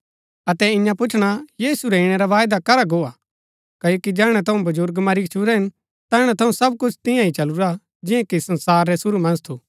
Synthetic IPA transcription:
ɐt̪ɛɪ̃jãpʊt͡ʃʰɽ̃ajiːsuɾɛɪɽ̃ɛɾaʋaːjd̪akɐɾaɡoːa | kɐjoːkid͡ʒɛːɽ̃ɛt̪ʰɐũbɐd͡ʒʊɾɡmaɾit͡ʃʰuɾɛɦɪ̃n | t̪ɛːɽ̃ɛt̪ʰɐũsɐb̚kʊt͡ʃʰt̪ɪ̃jãɦit͡ʃɐluɾa | d͡ʒɪ̃jãkisɐ̃nsaːɾːɛsʊɾumɐ̃nzt̪ʰuː

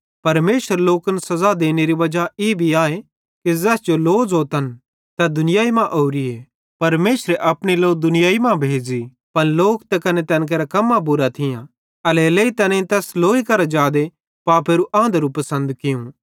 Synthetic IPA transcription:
pɐɾmeːsəɾloːkənsɐzad̪eːneɾiʋɐd͡ʒaeːbʱiaːe | kizɛːsd͡ʒoloːzɦoːt̪ɐn | t̪ad̪ʊnɪjaːimãʔoːɾie | pɐɾmeːsɾeʔɐpɽ̃iloːk̚d̪ʊnɪjaːimãbʱeːd͡ʒi | pɐnloːkt̪ɛkɐnet̪ɛ̃ːnk̬eːɾakɐmːabʊɾat̪ʰɪjã | ɐleleit̪ɛːnẽt̪ɛːsloːikɐɾad͡ʒaːd̪e | paːpeːɾuʔãːnd̪əɾupɐsə̃nd̪kɪjũ

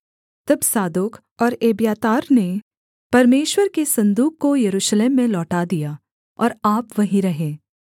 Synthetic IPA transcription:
t̪ɐbsaːd̪ok | ɔːɾeːbjaːt̪aːɾne | pɐɾmeːʃwəɾkesɐ̃nd̪uːkːojɐɾuːʃleːmːẽlɔːʈad̪ija | ɔ̰ːɾaːpʋɐɦĩɾɐɦẽː

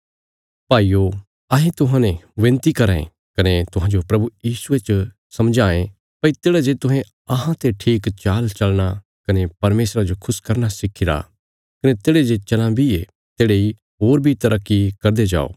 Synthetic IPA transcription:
paːiːjo | ɐɦẽt̪ʊɦãnẽʋẽːnt̪ikɐɾaḛ̃ | kɐnet̪ʊɦãːd͡ʒopɾɐbujiːsuet͡ʃ | sɐmd͡ʒaːẽ | pɐit̪eːɽad͡ʒet̪ʊɦẽ | ɐɦãt̪eʈʰiːkt͡ʃaːlt͡ʃɐlña | kɐnepɐɾmeːsɾad͡ʒokʰʊskɐɾnasɪkʰːɪɾa̰ | kɐnet̪eːɽed͡ʒet͡ʃɐlãbʱie | t̪eːɽei | ɦoːɾbʱit̪ɐɾɐkːikɐɾd̪ed͡ʒa̰ːo̰ː

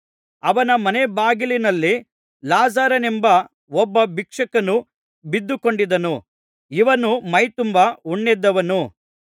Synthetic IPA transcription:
ɐʋɐnɐmɐnebaːɡilinɐlːi | laːzaːɾɐnembɐ | ɔbːɐbikʂɐkɐnu | bid̪ːukoɳɖid̪ɐnu | iʋɐnumɐjt̪umbɐuɳːɛd̪ːɐʋɐnu

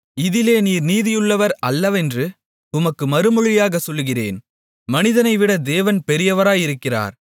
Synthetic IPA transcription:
ɪðɪleːniːɾniːðɪjɯɭːɐʋɐɾɐlːɐʋɛndrɯ | ʊmɐkːɯmɐɾɯmɯɻɪjaːɣɐsɔlːɯɣɪrḛːn | mɐnɪðɐnɐɪʋɪɽɐd̪eːʋɐnpɛɾɪjɐʋɐɾaːjɪɾɯkːɪra̰ːɾ

